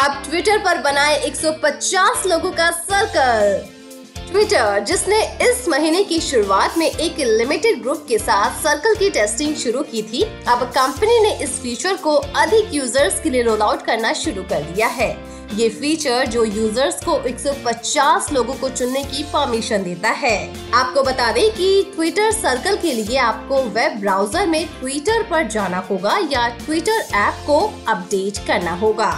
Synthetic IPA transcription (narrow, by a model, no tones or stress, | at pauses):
ɐb̚ʈʋɪʈəɾpɐɾbɐnaːeʔeːksɔpɐt͡ʃaːsloːɡõkasɐɾkəl | ʈʋɪːʈəɾd͡ʒɪsneɪsmɐɦiːnekiʃʊɾuaːt̪mẽʔeːklɪmɪʈɪɖ̚ɡɾuːp̚kesaːt̪ʰsɐɾkəlkiʈɛːsʈɪ̃ŋɡʃʊɾukit̪ʰiɐbkɐ̃mpənineʔɪsfiːt͡ʃəɾkoɐd̪ʱɪkjuːzəɾzkelieɾoːlaːʊʈkɐɾnaʃʊɾukɐɾd̪ijaɦɛː | jeːfiːt͡ʃəɾd͡ʒoːjuːzəɾzkoʔeːksɔpɐtːt͡ʃaːsloːɡõkot͡ʃʊnːekipɐɾmiʃənd̪eːt̪aɦɛː | aːp̚kobɐt̪aːd̪ẽkiʈwiːʈəɾsɐɾkəlkelieaːp̚koʋɛbːɾaːʊzəɾmẽʈwiːʈəɾpɐɾd͡ʒaːnaɦoːɡajaʈwiːʈəɾɛːp̚koɐp̚ɖeːʈkɐɾnaɦoːɡaː